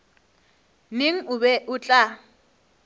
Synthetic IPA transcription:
neŋ̩ʊβɛʔʊt͡ɬʼa

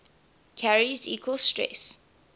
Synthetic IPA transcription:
kʰaɹizḭːkʰwəlstɹɛ̰s

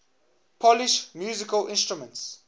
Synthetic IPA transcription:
pʰɔliʃmjuːzikəlɪ̃nstɹumə̃nts

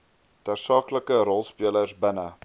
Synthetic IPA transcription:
tɑrsɑːkləkəɾɔlˠspiələrsbənə

